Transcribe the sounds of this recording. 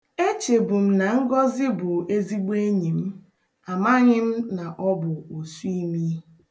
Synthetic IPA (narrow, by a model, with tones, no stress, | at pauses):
e˦t͡ʃe˨bʊ˨m̩˦na˨ŋ̩˦ɡɔ˦zɪ˦bʊ˨e˦zi˦ɡ͡be˦ɲi˨m̩˦ | a˨ma˦ɲɪ˦m̩˦na˨ʔɔ˦bʊ˨o˨su˦i˦mi˦